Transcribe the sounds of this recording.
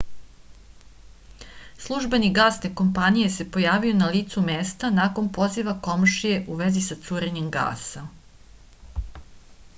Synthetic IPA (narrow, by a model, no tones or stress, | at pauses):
slˠuʒbe̞niɡaːst̪eko̞mpanije̞se̞po̞jaːʋio̞naliːt̪sumeːst̪anako̞npo̞ziʋako̞mʃije̞ʔuʋe̞zisat̪suɾeɲe̞mɡa̰ːsa